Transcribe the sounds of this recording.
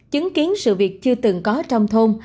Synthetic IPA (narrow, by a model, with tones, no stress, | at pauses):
t͡ɕɨ˨˦ŋki˨˦ənsɨ̰˧˨vi˨˩ək̚t͡ɕɨ˧ət̪ɨ˨˩ŋkɔ˨˦t͡ɕɔ˧wŋ͡mt̪ʰo˧m